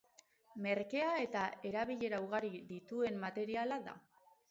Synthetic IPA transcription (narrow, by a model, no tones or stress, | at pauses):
me̞ɾke̞ae̞t̪ae̞ɾaβ̞iʎe̞ɾauɣ̞aɾiðit̪ue̞mːat̪e̞ɾialaða̰